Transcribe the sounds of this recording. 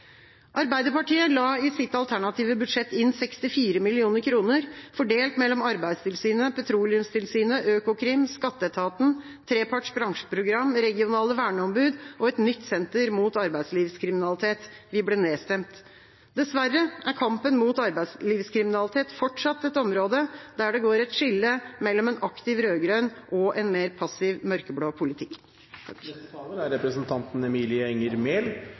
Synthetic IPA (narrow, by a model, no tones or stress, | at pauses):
ʔɑɾbæɪd̪əɾpɑʈiːəlɑːɪsɪt̪ɑlt̪ʰæɳɑt̪ʰiːʋəbʉd̪ʂɛt̪ːɪnsɛkst̪ɪfiːɾəmɪlɪuːnəɾkʰɾuːnəɾfɔɖeːlt̪mɛlːɔmɑɾbæɪd̪st̪ʰɪlsyːnəpʰɛt̪ʰɾuːlɪʉmst̪ʰɪlsyːnəʔøːkʊkʰɾɪmskɑt̪ːət̪ʰɑːt̪n̩ | t̪ʰɾeːpʰɑʈʂbɾɑŋʂə̥pʰɾʊɡɾɑmːɾɛɡɪʊnɑːləʋæːɳəɔmbʉːd̪ʔɔɛt̪nʏt̪ːsɛnt̪əɾmuːt̪ɑɾbæɪd̪sliːʋskʰɾɪmɪnɑlɪt̪ʰeːt̪ʋɪblɪːneːst̪ɛmt̪ | d̪ɛsʋærːəʔæɾkʰɑmpənmuːt̪ɑɾbæɪsliːʋskʰɾɪmɪnɑlɪt̪ʰeːt̪fɔʈʂɑt̪ːɛt̪ɔmɾoːd̪əd̪̥æɖɛɡoːɾɛt̪ʂɪlːəmɛlːɔmɛnɑkt̪ɪʋɾøːɡɾœnʔɔʔɛnmeːɾpʰɑsɪʋmœɾkəbloːpʰʊlɪt̪ʰɪkː | ɑːləɾæɾɛpɾəsənt̪ʰɑnt̪n̩ɛmiːlɪəɛŋəɾmeːl